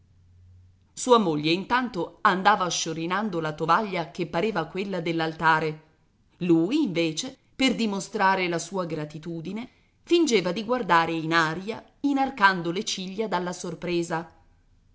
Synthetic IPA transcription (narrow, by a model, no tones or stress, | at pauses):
suːamoʎːeint̪ant̪oand̪aːvaʃːoɾinand̪olat̪ovaʎːakepːaɾeːvakwelːad̪elːalt̪aːɾe | luːijːɱveːt͡ʃe | perd̪imost̪ɾaːɾelasuːaɡɾat̪it̪uːd̪ine | find͡ʒeːvad̪iɡward̪aːɾeinaːɾja | inarkand̪olet͡ʃiʎːad̪alːasorpɾeːza